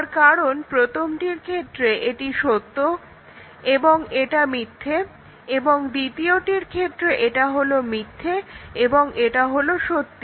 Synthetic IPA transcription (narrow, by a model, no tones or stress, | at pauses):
ɾkaɾonpɾot̪ʰomʈiɾkʰet̪ːɾeʔeʈiʃot̪ːo | eboŋeʈamit̪ʰːe | eboŋd̪it̪ioʈiɾkʰet̪ːɾeʔeʈaɦolomit̪ʰːeeboŋeʈaɦoloʃot̪ːi